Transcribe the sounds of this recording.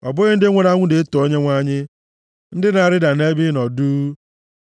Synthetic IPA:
ɔ˨bʊ˦ɣɪ˦n̩˦dɪ˦ŋʷe˨ɾa˦ŋʷʊ˦de˨˦to˨o˦ɲe˦ŋʷa˦ɲɪ˦ | n̩˦dɪ˦na˨ɾɪ˦da˨ne˦bɪ˦nɔ˨duː˦

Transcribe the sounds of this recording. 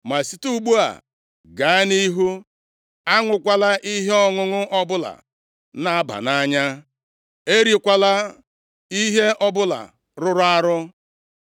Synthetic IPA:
ma˨si˨tu˦ɡ͡bu˦a̰˨ | ɡa˨˦ɪ˦ni˦ɦu˦ | a˦ŋʷʊ˨kʷa˦la˦ʔi˦ɦe˦ɔ˦ŋʊ˦ŋʊ˦ʔɔ˦bʊ˦la̰˨ | na˦a˦ba̰˨na˦ɲa˦ | e˦ɾi˨kʷa˦la˦ | i˦ɦe˦ʔɔ˦bʊ˦la̰˨ | ɾʊ˦ɾʊ˦a˦ɾʊ˦

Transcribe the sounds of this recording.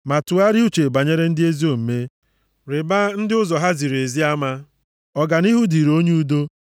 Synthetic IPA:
ma˨tu˨a˦ɾɪ˦u˦t͡ʃe˨ba˨ɲe˦ɾe˦n̩˦dɪ˦e˦zi˦o˦m̩˨me˦ | ɾɪ˨ba˦n̩˦dɪ˦ʊ˦zɔ˨ɦa˦zi˨ɾe˨zi˦a˦ma˦ | ɔ˨ɡa˨ni˦ɦu˦di˨ɾo˦ɲe˦u˦do˦

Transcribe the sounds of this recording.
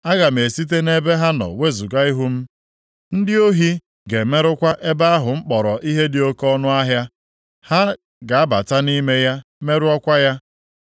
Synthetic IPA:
a˦ɣa˨m̩˨e˨si˦t̬e˦ne˦be˦ɦa˦nɔ̰˨we˦zu˨ɡa˦i˦ɦʊ˦m̩˦ | n̩˦dɪ˦o˦ɦi˦ | ɡe˨me˦ɾʊ˦kʷa˦ʔe˦ba˦a˦ɦʊ˨ŋ͡m̩˦k͡pɔ˨ɾɔ˨ʔi˦ɦe˦dɪ˨o˦kɔ˦nʊ˦a˦ɦja˦ | ha˦ | ɡa˨a˦ba̰˨ta˦ni˦me˦ja˦me˦ɾʊ˦ɔ˦kʷa˦ja˦

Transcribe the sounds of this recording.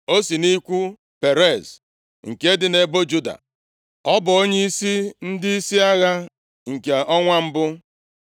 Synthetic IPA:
o˦si˨ni˦kʷu˦ | pe˨ɾe˦˨z | ŋ̩˨ke˦dɪ˨ne˨bo˦d͡ʒu˦da̰˨ | ɔ˦bʊ˨o˦ɲe˦i˦si˦n̩˦dɪ˦i˦si˦a˦ɣa˦ | ŋ̩˨ke˨ɔ˦ŋʷa˦m̩˦bʊ˦

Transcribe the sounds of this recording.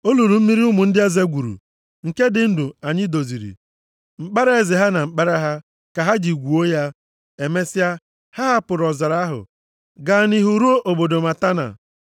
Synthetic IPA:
o˦lu˨ɾu˨m̩˦mi˦ɾi˦ʊ˦mʊ˨n̩˦dɪ˦e˦ze˦ɡʷu˨ɾṵ˨ | ŋ̩˨ke˦dɪ˨n̩˦du˨a˨ɲɪ˦do˨zi˨ɾḭ˨ | mŋ͡m̩˨k͡pa˦ɾa˦e˨zɪ˨ɦa˦na˨ŋ͡m̩˨k͡pa˦ɾa˦ɦa˦ | ka˨ɦa˦d͡ʒi˨ɡʷu˨o˦ja˦ | e˨me˦sɪ˦a˦ | ha˦ɦa˦pʊ˨ɾɔ˨za˨ɾa˦ɦʊ̰˨ | ɡa˨ni˦ɦu˨ɾu˦o˦ʔo˨bo˨do˨ma˨ta˦na̰˨

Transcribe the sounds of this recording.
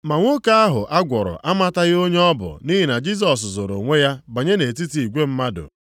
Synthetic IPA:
ma˨ŋʷo˦ka˦a˦ɦʊ̰˨ʔa˦ɡʷɔ˨ɾʊ̰˨ʔa˦ma˦ta˦ɣɪ˦o˦ɲe˦ɔ˦bʊ̰˨ni˦ɦi˨na˨d͡ʒi˦s̬ɔ˨s̬zo˨ɾo̰˨ŋʷe˦ja˦ba˨ɲe˦ne˨ti˦ti˨i˨ɡʷe˦m̩˦ma˦dʊ̰˨

